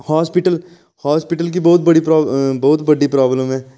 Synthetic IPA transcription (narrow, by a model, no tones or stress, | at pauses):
haːspɪʈəl | haːspɪʈəlk̬ibɔːt̪̚bɐɽipɾaːbɔːt̪bɐɖipɾaːbləmɦɛː